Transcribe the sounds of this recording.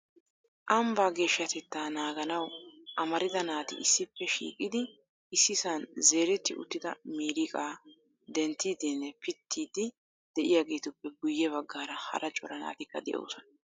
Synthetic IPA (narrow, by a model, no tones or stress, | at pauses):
ʔɐmbaːɡe̞ːʃːɐt̪ɛt̪ːaːnaːɡɐnɐwʔɐmɐɾɪd̪ɐnaːt̪ɪ̰ʔɪsːɪpːɛʃḭːkʼɪd̪ɪ | ɪsːɪsɐnze̞ːɾɛt̪ːɪʔʊ̰t̪ːɪd̪ɐmiːɾɪkʼaː | d̪ɛnt̪ːiːd̪ɪnːɛpɪt̪ʰːiːd̪ɪ | d̪̥ɛʔɪjaːɡe̞ːt̪ʊpːɛɡʊjːɛβɐɡːaːɾɐhɐ̰ɾʔɐt͡ʃʼɔɾɐna̰ːt̪ɪkːɐd̪ɛ̰ʔo̰ːsɔnɐ